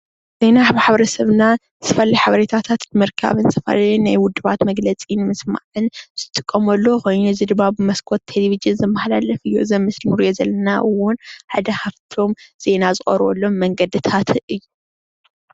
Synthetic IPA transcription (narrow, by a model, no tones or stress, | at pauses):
z̥e̞naħβħaβɐɾɐsɐβnazt̪ʰɐfɐlajħaβɐɾet̪ʰat̪ʰat̪nmɨɾkʰa̰βɨnzʰɐfɐ̰linajwʊd̪ːɨβat̪mɐɡlɐt͡sʼinmɨsma̰ʕɨnz̥ɨt̪ʼɨkʼːɐmɐlːo̞xojɲuzɨd̪ɨmːabɨmɐskʰot̪ʰːeleβiʒɨnzɨmːɐxlalɐfɨjːuɨzɐmːɨslmɨɾjozɐlːɐnaʔɨwʊnħad̪ɐhaβt̪ʰo̞mz̥e̞nazɨχʼɐ̰ɾβo̰lːo̞mːɐŋɡɐd̪ɨt̪ʰat̪ɨjːu